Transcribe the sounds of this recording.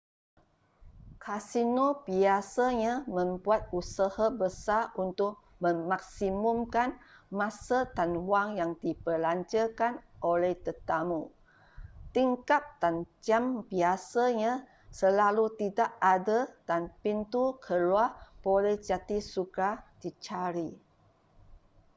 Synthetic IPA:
kʰasinobiasaɲamə̃mbuat̪̚usahabəsaʔunt̪ʊʔ̚ | mə̃mak̚simumkanmãsadanwaŋjaŋdipəlaɲt͡ʃəkanʔolɛht̪ət̪amu | t̪iŋkap̚d̥and͡ʒambiasaɲã | səlalut̪idaʔadad̥anpint̪ukʰəluapolɛhd͡ʒat̪isukad̥it͡ʃaɾi

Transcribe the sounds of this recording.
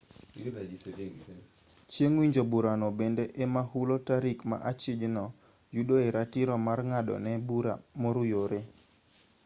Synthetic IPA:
t͡ʃjeŋwiɲd͡ʒobuɾanɔbendeʔemahulotaɾikma̰ʔat͡ʃɪd͡ʒnɔ | juɗoeɾatɪɾɔmarŋadɔ̰nɛbuɾa̰moɾujoɾe

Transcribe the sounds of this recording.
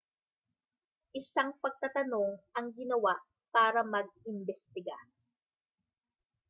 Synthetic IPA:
ʔɪsaŋpɐɡ̚t̪at̪ɐno̞ŋʔɐŋɡɪnɐwaʔ | paːɾɐmɐɡ̚ɪmbɛst̪ɪɡa

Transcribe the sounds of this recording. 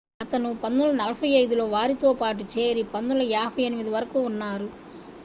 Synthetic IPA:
ɐt̪ɐnupɐnːulɐnɐlɐpɐjɐjd̪ulo̞ːʋaːɾit̪o̞ːpaːʈut͡ʃeːɾipɐnːulɐɛːbʱɐjɐnimid̪iʋɐɾɐkuːnːaːɾu

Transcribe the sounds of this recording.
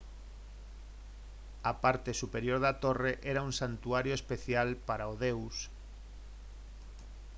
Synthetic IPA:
apaɾt̪esupeɾjoɾðat̪oreʔɛɾauŋsant̪uaɾjoespeθjalpaɾaoðews

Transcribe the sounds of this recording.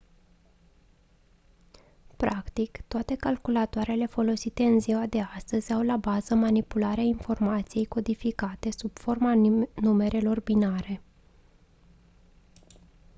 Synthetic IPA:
pɾakt̪ikt̪oat̪e̞kalkulat̪oaɾe̞le̞fo̞lo̞sit̪e̞ɨnziwad̪e̞ast̪əzʲawlabazəmanipulaɾeainfo̞rmat̪sije̞jko̞d̪ifikat̪e̞sub̥fo̞rmanume̞ɾe̞lo̞rbinaɾe̞

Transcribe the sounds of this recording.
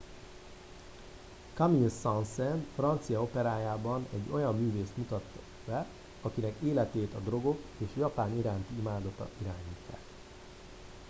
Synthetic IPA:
kɒminsɒnsɛnfrɒnt̪sijɒo̞pɛɾaːjaːbɒnɛɟːo̞jɒmːyːveːst̪mut̪ɒt̪ː | bɛ | ɒkinɛkeːlɛt̪eːt̪ɒd̪ro̞ɡo̞keːʃjɒpaːniɾaːnt̪iimaːd̪ɒt̪ɒ̰iɾaːɲiːt̪ːa̰k

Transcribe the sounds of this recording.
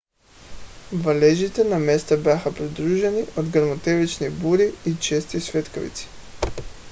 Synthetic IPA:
valɛʒit̪ɛnamɛst̪abaxapɾid̪ɾuʒɛniʔod̪ɡaɾmɔt̪ɛvit͡ʃnibuɾiit͡ʃɛst̪isvɛt̪kɔvḭt̪si̥

